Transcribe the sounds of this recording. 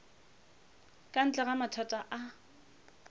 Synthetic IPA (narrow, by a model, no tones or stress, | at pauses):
kʼan̩t͡ɬʼɛɣamatʰatʼaʔa